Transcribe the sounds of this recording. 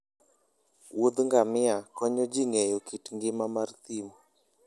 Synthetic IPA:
wod̪ŋɡamɪakɔɲɔd͡ʒiŋejokitŋɡɪmamart̪imo

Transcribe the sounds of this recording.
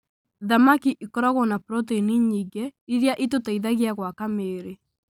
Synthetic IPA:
ðamakiʔikɔɾɔɣɔnapɾɔtiniɲiːɡeiɾjaʔitotaiðaɣiaɣwakameːɾe

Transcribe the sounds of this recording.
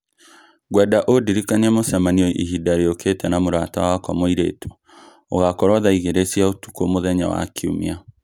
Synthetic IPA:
ɣwɛdaʔodiɾikaniɛmosɛmaniɔʔiɦidaɾeoketɛnamoɾatawaakwɔmoiɾḛːto̥ | o̰ɣakɔɾwaðaiɣeɾesiaotu̥komoðɛɲawa̰kʰiṵmia

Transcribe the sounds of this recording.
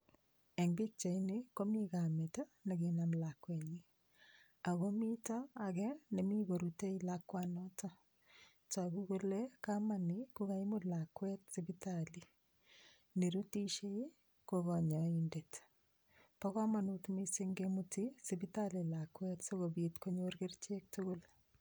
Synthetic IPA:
eŋbit͡ʃainekomeɣametanaɣenamlakweɲi | aɣomitaːɣɛnemiɣoɾuteilakːwanɔta | taɣuɣolɛkamanikukaimulakwɛtsibitali | neɾutiʃei | koɣɔɲɔindet | pɔkamanutmisɪŋɡemutisibitalilakwɛtsoɣobitkoɲorɡert͡ʃek̚tʊɡʊl

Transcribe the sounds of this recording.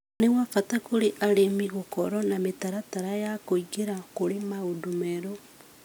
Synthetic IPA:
newafatakoɾeʔaɾemiɣokɔɾɔnametaɾataɾajakoiɣeɾakoɾemaodumeɾo

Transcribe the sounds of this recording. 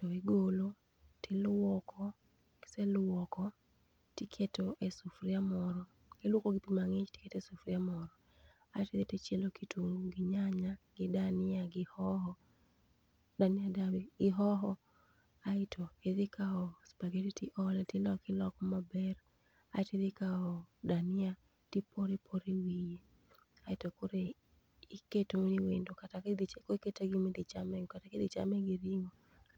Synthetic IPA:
tɔɪɡolo | tɪlwɔkʰɔ | selwɔkɔ | tikʰetoʔesufɾɪamɔɾɔ | ɡ̥ɪlwokoɡɪpimaŋɪt͡ʃti̥ketɛsʊfɾɪamɔɾɔ | aɪteðetet͡ʃjelokitʰuŋɡuɡɪɲaɲaɡ̥ɪdanɪaɡɪhɔɦɔ | danɪadawiɪɦɔɦɔ | aɪtʰɔeðɪkaɔspaɡeɾitiʔɔlɛtɪlɔkɪlɔkmabɛr | a̰ɪtid̪ɪkaɔdanɪa | tipʰoɾipʰoɾiwije | aɪtokoɾe | iketoniwendokataked̪it͡ʃekoketeɡɪmid̪it͡ʃamɛkataked̪it͡ʃa̰mɛɡiɾiŋo

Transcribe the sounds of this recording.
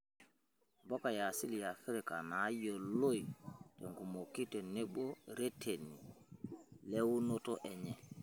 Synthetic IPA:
bɔkajasiljafiɾɛkanajɔlojtɛŋkumokːitɛnɛɓɔɾetʰeni | lewnɔtɔʔɛɲɛ

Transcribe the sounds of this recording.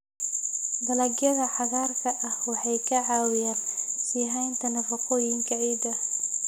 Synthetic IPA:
d̪ɐlɐɡjɐðɐħɑɣaːrkʰɐʔɐhwɑħɑjkʰɐʕaːwɪjaːnsiːɦɛjnt̪ʰɐnɐfɐqɔːjɪŋkʰɐʕiːd̪ɐ

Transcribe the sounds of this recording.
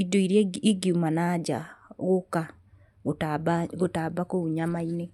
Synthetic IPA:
idoiɾjeiɡiumanad͡ʒa̰ɣoka | ɣotabaɣotabakouɲamaine

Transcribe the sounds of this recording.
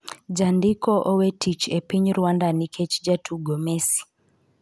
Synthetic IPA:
d͡ʒandikɔʔɔwɛtit͡ʃɛpiɲɾwandanikʰɛt͡ʃd͡ʒatʰuɡɔmɛsi̥

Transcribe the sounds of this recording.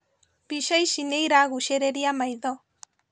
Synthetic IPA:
piʃaiʃinejɾaɣuʃeɾeɾiamajðo

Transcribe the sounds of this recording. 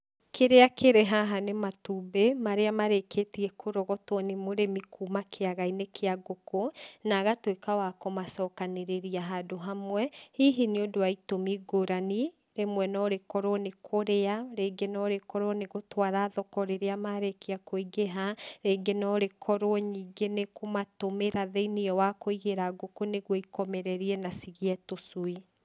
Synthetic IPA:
kʰeɾeakeɾeɦaɦanematuːbemaɾeamaɾekʰetiɛkoɾɔɣɔtwɔnemoɾemikʰuːmakʰeaɣainekʰeaɡokonaɣatwekawakomasɔːkaneɾeɾiaɦadoɦamwɛhiɦineodowaitomiɡoɾani | ɾemwɛnɔɾekɔɾwɔnekʰoɾeaɾeːŋɡenɔɾekɔɾwɔneɣotwaɾaðɔkɔɾeɾeamaɾekiakoiɣeɦaɾeːŋɡenɔɾekʰɔɾoɔɲiːɡenekomatomeɾaðeiniɔwakoiɣeɾaɡokoneɣwɔikɔmɛɾɛɾiɛnasiɣiɛtosui

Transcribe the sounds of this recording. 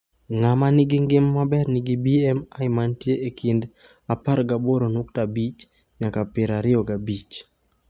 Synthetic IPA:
ŋamanɪɡɪŋɡɪmːabɛrnɪɡibiɛmajɪmantjeʔekind | apaɾɡaboɾonuk̚tabit͡ʃ | ɲakapɪɾaɾɪɔɡabit͡ʃ

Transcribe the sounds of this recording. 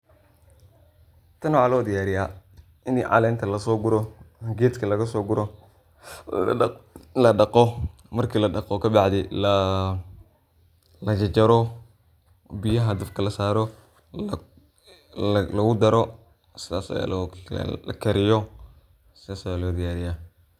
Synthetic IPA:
t̪ʰɐnwʕalɔːd̪ɪjaːɾɪja | ɪnḭʕɑ̰lɛːnt̪ʰɐlɐsɔːɡʊɾɔɡeːt̪kʰɐlɐɣɐsɔːɡʊɾɔ | lɐɖɑqɔ | mɐrkʰiːlɐɖɐqɔkʰɐbɑʕd̪ɪlɐ | lɐt͡ʃɐt͡ʃɐɾɔ | bɪjɐɦɐd̪ɐfkʰɐlɐsaːɾɔ | lɐɣʊd̪ɐɾɔ | sɪðaːsɐ̰ja̰l̰lɐ̰kʰɐɾɪjɔ | sɪðaːsɐjaːlɔːd̪ɪjaːɾɪjaː

